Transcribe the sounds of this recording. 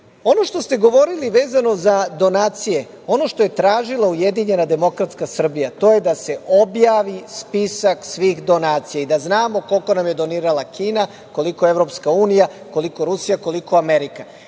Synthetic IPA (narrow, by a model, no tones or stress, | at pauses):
o̞no̞ʃt̪o̞st̪e̞ɡo̞ʋo̞ɾiliʋe̞ːzano̞zad̪o̞naːt̪sije̞ | o̞no̞ʃt̪o̞je̞t̪ɾaːʒilˠaujed̪iɲe̞nad̪e̞mo̞kɾat̪skasr̩bijat̪o̞ːje̞d̪ase̞o̞bjaːʋispisaksʋiːɣd̪o̞naːt̪sijaid̪aznaːmo̞ko̞lko̞namje̞d̪o̞niːɾalˠakiːna | ko̞liko̞eʋɾo̞pskauːnija | ko̞liko̞ɾusijako̞liko̞ameɾika